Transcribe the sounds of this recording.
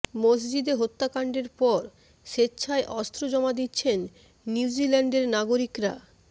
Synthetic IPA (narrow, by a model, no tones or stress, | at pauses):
mosd͡ʑid̪eɦot̪ːakaɳɖeɾpɔɾ | ʃetːɕʰaeʔɔst̪ɾod͡ʑɔmad̪itːɕʰenː | iud͡ʑilɛɳɖeɾnaɡoɾikɾa̰